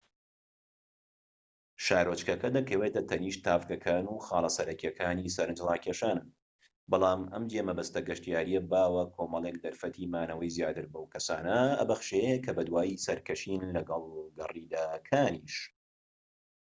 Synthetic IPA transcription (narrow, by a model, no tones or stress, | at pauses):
ʃaːɾot͡ʃkɐkɐd̪ɐkʰɐwet̪ɐt̪ʰɐniːʃt̪ʰaːfkɐkʰaːnuːxaːlˠɐsɐɾɐkiɐkʰaːniːsɐɾɨnd͡ʒlaːkʰeːʃaːnɨn | bɑlˠaːmɐmd͡ʒemɐbɐst̪ɐɡɐʃt̪ijaːɾijɐbaːwɐkʰoːmɐlˠek̚d̪ɐɾfɐt̪ʰiːmaːnɐwɐjzijaːt̪ɨɾbɐwkʰɐsa̰ːnɐɐ̰bɐxʃejekʰɐbɐd̪waːjisɐɾkɐʃiːnlɐɡɐlˠɡɐriːd̪aːkʰaːniːʃ